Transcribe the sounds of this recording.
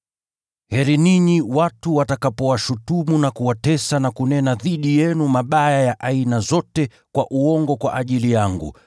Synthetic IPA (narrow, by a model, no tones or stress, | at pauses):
hɛɾiniɲiwatuwatakapɔwaʃutumunakuwatɛsanakunɛnaðiɗijɛnumaɓajajaʔainazɔtɛ | kwaʔuɔŋɡɔkwaʔaʄilijaŋɡṵ